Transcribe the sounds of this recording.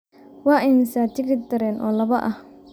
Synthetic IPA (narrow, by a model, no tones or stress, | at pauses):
wɑːʔɛjnɪsaːt͡ʃ̪ɪɣɪd̪ɐɾɛːnʔɔ̰ːlɐβɐʔɐh